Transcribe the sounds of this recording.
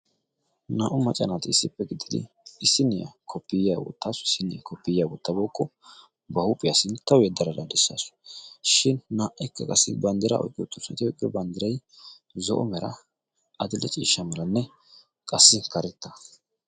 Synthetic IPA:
naːʔʊmɐt͡ʃʼɐnat̪ɪɪsːɪpːɛɡɪd̪ɪd̪ɪ̰ | ɪsːɪnːɪjɐ̰kʰɔpːɪjja̰ːɡɔ̰t̪ːaːsʊɪsɪnɪjakʰɔpːɪjjaːɡɔt̪ːɐboːkʼːɔ | bɐhʊpʼːɪjasɪnt̪ːɐwjɛd̪ːɐɾɐd̪ad̪ɛsːɐsʃɪnnaːʔɐjkːɐkʼɐsːɪbɐnd̪ɪɾɐ̰ʔɔ̰jkʼːɪɔt̪ːɔst̪ɔjkʼɪɔbɐnd̪ɪɾɐj | zɔ̰ʔɔ̰mɛɾɐ̰ | ʔɐd̪ɪlɛt͡ʃʼḭːʃːɐmɛlɐnːɛ | kʼɐsːɪkɐɾɛt̪ːɐ

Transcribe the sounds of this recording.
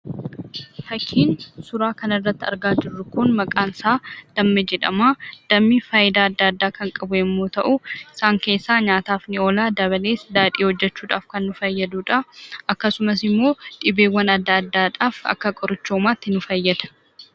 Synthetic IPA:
fɐkʰːiːnsʊɾaːkɐnɐrːɐt̪ːɐ̰ɾɡaːd͡ʒɪrːʊkʊnmɐkʼaːnsaːd̪̥ɐmːɛd͡ʒɛᶑɐ̰maːd̪̥ɐmːiːfaːjɪd̪aːɐd̪ːaːɐd̪ːaːkɐŋkʼɐbʊɛmːoːt̪ɐʔʊɪsaːŋke̞ːsːaːɲaːt̪aːfnɪo̞ːlaːd̪ɐβɐle̞ːsd̪aːᶑ̪iːhɔd͡ʒːɛt͡ʃːuːᶑa̰ːfkɐnːʊfɐjːɐd̪uːᶑɐʔɐkːɐsʊmɐs̬ɪmːo̞ːᶑ̪ɪbeːwːɐnɐd̪ːaɐd̪ːaːᶑaːfɐ̰kːɐkʼɔɾʊt͡ʃːoːmaːt̪ːɪnʊfɐjːɐd̪ɐ̥

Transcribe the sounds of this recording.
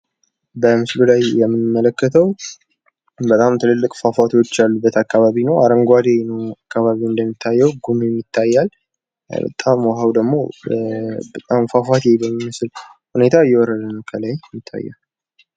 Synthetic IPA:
bəmɨslulajːɛmːɨnmːələkːət̪ʰəw | bət̪ʼamt̪ʰɨlɨlːɨkʼfafat̪ʰo̞t͡ʃːalːubːət̪ʰakːaβaβinəwaɾəŋɡʷad̪enəwakːaβaβiɨnd̪əmːit̪ʰːajːɛwɡumimjɪt̪ʰːajːal | bə̰t̪ʼamwɔɦawd̪əɡmo̞ | bət̪ʼamfafat̪jebəmːimɨslhune̞t̪ʰajːɛwɔɾəd̪ənəkʰəlajjːɪt̪ʰːa̰jːa̰l

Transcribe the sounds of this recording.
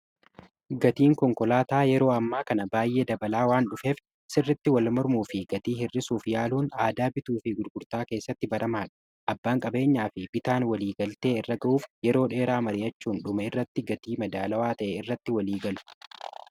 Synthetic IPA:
ɡɐt̪iːŋkɔŋkɔlaːt̪aːjɛɾo̞ːɐmːaːkɐnɐbaːjːe̞ːd̪ɐbɐlaːwaːnɗʊfeːf | sɪrːɪt̪ːɪwɐlmɔɾmuːfɪɡɐt̪iːɦɪrːɪsuːfjaːluːnaːd̪aːbɪt̪uːfɪɡʊɾɡʊɾt̪aːke̞ːsːɐt̪ːɪbɐɾʔɐmaːᶑɐ̥ | ʔɐbːaːŋkʼɐbe̞ːɲːaːfɪb̥ɪt̪aːnwɐliːɡɐlt̪e̞ːɪrːɐɡɐʔuːfjɛɾo̞ːᶑe̞ːɾaːmɐɾɪjɐt͡ʃːuːnᶑʊmɐɪrːɐt̪ːɪɡɐt̪iːmɐd̪aːlɐwaːt̪ɐʔɛɪrːɐt̪ːɪwɐliːɡɐlʊ̥

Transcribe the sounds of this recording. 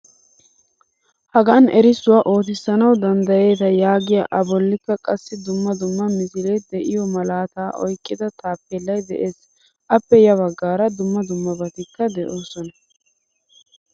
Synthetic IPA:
hɐɡɐnʔɛɾɪsʊwaːʔo̞ːt̪̬ɪsːɐnɐwd̪ɐnd̪ɐje̞ːt̪ɐjaːɡɪjɐʔɐbɔlːɪkːɐkʼɐsːɪd̪ʊmːɐd̪ʊmːɐmɪsɪlɛd̪ɛʔɪjɔmɐlaːt̪aːʔɔ̰jkʼːɪd̪ɐt̪ʰaːpːɛlːɐjd̪ɛʔe̞ːs | ʔɐpːɛjɐβɐɡːaːɾɐd̪ʊmːɐd̪ʊmːɐbɐt̪ɪkːɐd̪ɛʔo̞ːsɔnɐ

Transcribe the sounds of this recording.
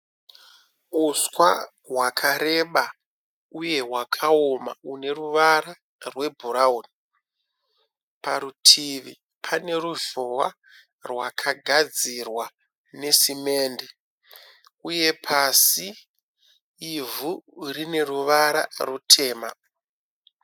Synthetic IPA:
uskwa̰ | ɦwakʰaɾe̞ɓa | uje̞ɦwakʰaoma̰une̞ruʋaɾa | rwe̞bʱuɾauni | paɾutʰiʋi | pʰane̞ruʒowa | rwakʰaɡʱad͡zirwa | ne̞sime̞ːnde | uje̞pʰasi | vurine̞ruʋaɾa̰rutʰe̞ːma

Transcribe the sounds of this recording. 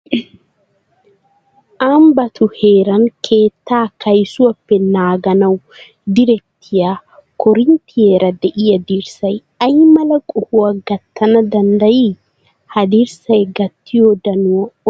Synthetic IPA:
ʔambɐt̪ʊheːɾɐŋkʰeːt̪ːaːkɐjsuwɐpːɛnaːɡɐnɐw | d̪ɪɾɛt̪ʰːɪja | kɔɾɪnt̪ɪjeɾɐd̪ɛʔɪjɐd̪iɾsɐj | ɐjmɐlɐkʼʊhuwɐɡɐt̪ʰːɐnɐd̪ɐnd̪ɐjiː | hɐd̪iɾsɐjɡɐt̪ːijod̪ɐnuɐ

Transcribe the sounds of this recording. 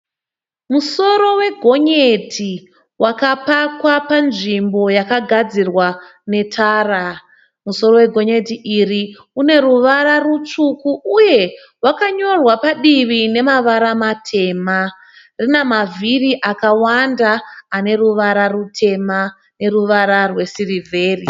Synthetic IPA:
muso̞ɾo̞we̞ɡʱo̞ɲetʰi | wakapakwapanʐimbo̞jakaɡʱad͡zirwane̞tʰaːra | muso̞ɾo̞we̞ɡʱo̞ɲe̞tiʔiri | une̞ɾuʋaɾarut͡ʂukuʔːje̞ | wakaɲo̞rwapaɗiʋine̞maʋaɾamatʰe̞ːma | rinemavʱiriʔakawandaːne̞ruʋaɾarutʰe̞ma | ne̞ruʋaɾarwe̞sirivʱeːri

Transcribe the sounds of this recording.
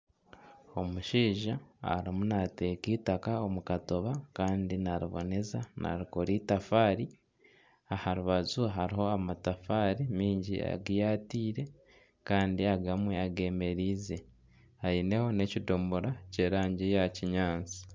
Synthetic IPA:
o̞muʃiːʒaa̰ɾimunate̞kiːtakao̞mukato̞βakaːndinaɾiβo̞̰ne̞zanʔa̰ɾikoɾiːtafaːɾi | ahaɾuβazuɦaɾiɦo̞amatafaːɾimiːɲɟḭa̰ɡijaːtiːɾe̞ | kaːndiaɡamweaɡe̞ːme̞ɾiːze̞ | haine̞ho̞ne̞cidomboɾace̞ːɾaːɲɟijaciɲaːnt͡si̥

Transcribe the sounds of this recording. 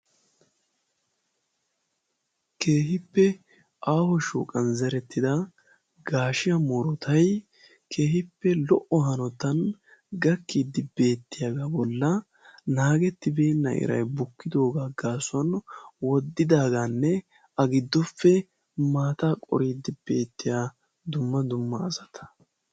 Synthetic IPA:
kʰe̞ːɦɪpːɛ | aːhɔʃo̰ːkʼɐnzɛɾɛt̪ːɪd̪ɐ | ɡaːʃɪjɐmoɾɔt̪ʰɐj | kʰe̞ːhɪpːɛlɔʔɔɦɐnɔt̪ːɐn | ɡɐkːiːd̪ːɪbe̞ːt̪ːɪjaːɡabɔlːɐ | naːɡɛt̪ːɪbe̞ːnːɐ̰ʔɪ̰ɾɐ̰jbʊkːɪd̪o̞ːɡaːɡ̥aːsʊɐnwɔd̪ːɪd̪aːɡanːɛ | ɐɡɪd̪ːɔfːɛ | maːt̪aːkʼɔ̰ɾiːd̪ːɪb̥e̞ːt̪ːɪjaː | d̪ʊmːɐd̪ʊmːɐːzɐt̪ʰɐ̥

